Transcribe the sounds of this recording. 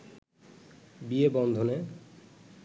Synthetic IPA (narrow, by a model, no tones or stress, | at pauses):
biebɔnd̪ʱone